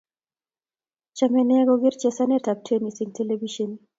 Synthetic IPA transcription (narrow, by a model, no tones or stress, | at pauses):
t͡ʃamɛnɛɡɔɡɪɾt͡ʃɛsanɛtap̚tʰenisiŋteleviʃon